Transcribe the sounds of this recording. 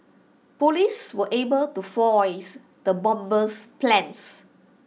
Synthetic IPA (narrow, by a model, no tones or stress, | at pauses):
poliswəʔebəltufɔɪs | d̪əbɔ̃mbəsplɛ̃ns